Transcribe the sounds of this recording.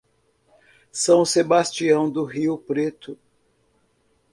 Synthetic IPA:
sɐ̃w̃sebast͡ʃiɐ̃w̃d̪ʊɦiʊpɾet̪ʊ

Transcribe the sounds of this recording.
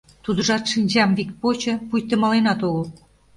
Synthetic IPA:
t̪ud̪ə̆ʒɑt̪ʃinʲd͡ʑɑmvikpot͡ɕɤ̆pujt̪ə̆mɑlenɑt̪oɣə̆l

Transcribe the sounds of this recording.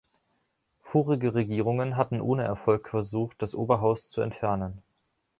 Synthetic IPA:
foːʁɪɡəʁeɡiːʁ̞ʊŋənɦatn̩ʔo̰ːnəʔɛɐfɔlkfɛɐzuːχt̚d̥asʔoːbɐɦaʊst͡suɛ̰ntfɛɐnən

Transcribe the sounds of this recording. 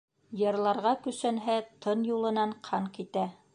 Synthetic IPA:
jɤ̆ɾlˠɑɾʁɑkɵ̆sænɦæt̪ʰɤnjulˠɤ̆nɑɴqʰɑɴkit̪æ

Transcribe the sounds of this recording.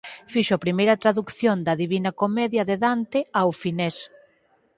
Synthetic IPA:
fiʃoɐpɾimejɾɐt̪ɾaðukθjond̪ɐðiβinɐkomɛðjɐðeðant̪ɪawfinɛs

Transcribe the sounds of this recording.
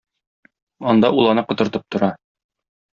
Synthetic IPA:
ɒnd̪ɑulˠɑnɤqŏt̪ɤ̆ɾt̪ɤp̚t̪ŏɾɑ

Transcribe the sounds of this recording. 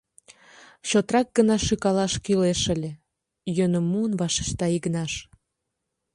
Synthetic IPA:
ɕot̪rɑk̚ɡənɑʃykɑlɑʃkyleʃəlʲe | jønə̆mːuənβɑʃe̥ʃt̪ɑiɣnɑʃ

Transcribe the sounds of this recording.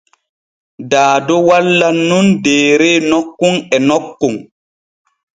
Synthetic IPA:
daːdɔwalːanundeːɾɛnɔkːuŋɛnɔkːuŋ

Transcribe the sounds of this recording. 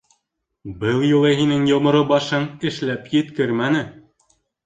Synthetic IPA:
bɤlˠjŭlˠɤɦinɘŋjŏmŏɾobɑʃɤŋɘ̆ʃlæpjɘ̆t̪kɘɾmænɘ

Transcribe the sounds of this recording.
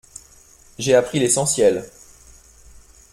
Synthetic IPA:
ʒeapχilesɑ̃sjɛl

